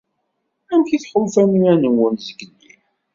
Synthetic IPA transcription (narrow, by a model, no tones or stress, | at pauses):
æmçiθħolfæmiænənwʊnzəɡəlːḭ